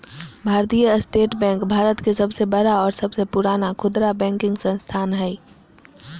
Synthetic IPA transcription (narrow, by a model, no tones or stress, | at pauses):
bʱaːɾt̪ijəsʈeːʈbɛ̃ːŋkbʱaːɾət̪kesəbsebəɾaɔːɾsəbsepuɾaːnakʰʊd̪ɾabɛ̃ːŋkɪ̃ŋɡsə̃nst̪ʰaːnɦɛ